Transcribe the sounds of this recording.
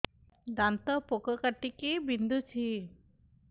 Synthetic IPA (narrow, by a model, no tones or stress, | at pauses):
d̪ant̪əpokəkəʈːikibind̪ut͡ʃʰi